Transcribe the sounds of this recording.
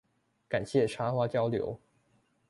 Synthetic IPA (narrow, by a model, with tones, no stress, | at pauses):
ka˨˩nɕjɛ˥˩ʈ͡ʂʰa˥xwa˥t͡ɕjɑ˥ʊljo̰˧˥ʊ